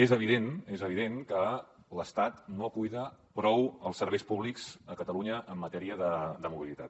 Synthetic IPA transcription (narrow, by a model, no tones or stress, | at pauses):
ezəβ̞iðenezəβiðenkə | ləst̪at̪nokujðəpɾɔwəlˠsːəɾβɛjspuβlikz̥əkət̪əluɲəʔəmːət̪ɛɾiəðəd̪əmuβilit̪at̪